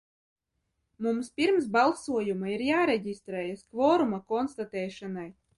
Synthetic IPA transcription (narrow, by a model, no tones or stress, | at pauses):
mumspʲiɾmsbalˠsuɔjumaiɾjaːɾɛɟʲist̪ɾɛːjaskvɔːɾumakɔnst̪at̪ɛːʃanaj